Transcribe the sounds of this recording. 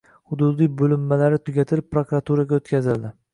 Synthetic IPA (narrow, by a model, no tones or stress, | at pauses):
hʊd̪ud̪ijbɵlɪmːalaɾɪt̪ʰʊɡʲat̪ʰɪlɪp̚pːɾokɾat̪ʰuɾaɡʲaot̪kʲʰazɪld̪ɪ